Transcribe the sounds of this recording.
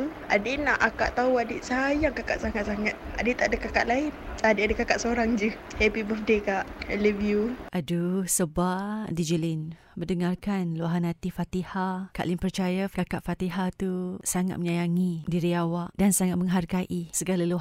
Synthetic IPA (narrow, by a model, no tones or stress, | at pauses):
adinaʔaka̰ʔt̪auadiʔsajaŋkakaʔsaŋaʔsaŋat̪̚a̰det̪aʔdəkaka̰ʔlaɪnadeadəkakaʔsoɾaŋd͡ʒə | hɛpibəfdekaʔɛləvjuʔadusəbaʔdid͡ʒəlin | bədəŋarkanluaɦanat̪ifat̪ihaka̰ʔlɪnpərt͡ʃajakakaʔfat̪iɦat̪usaŋa̰t̪̚məɲajaŋidiɾiawaʔdansaŋat̪̚məŋɦarɡaʔisəɡalalu